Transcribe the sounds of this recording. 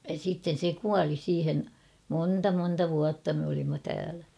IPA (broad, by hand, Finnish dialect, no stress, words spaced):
jɑ sitːen̞ se kuɑli siːhen montɑ montɑ ʋuɑtːɑ me olimːɑ tæːlæ